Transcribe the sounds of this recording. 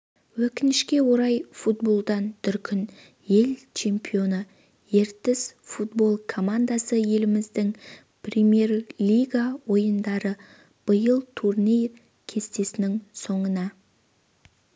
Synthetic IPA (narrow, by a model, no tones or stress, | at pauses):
wɵkʲɪnɪʃkʲe̞wo̞ɾɑjfut̪̚bo̞lˠd̪ɑnt̪ʰʏɾkʲʰʏn | je̞lt͡ʃʰe̞mpijo̞nə | je̞ɾt̪ɪzfut̪̚bo̞lˠkʰo̞mand̪asəje̞lɪmɪzd̪ɪŋ | pʰrʲemʲje̞rlʲijɡawo̞jənd̪ɑɾə | b̥əjəlˠt̪ʰurnʲej | kʲʰe̞st̪e̞sɪnɪŋso̞ɴənɑ